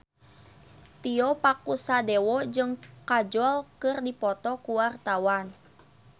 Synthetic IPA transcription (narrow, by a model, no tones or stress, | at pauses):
t̪iɔpakusadɛwɔd͡ʒɨŋkad͡ʒɔlkɨrdipɔt̪ɔkuwart̪awan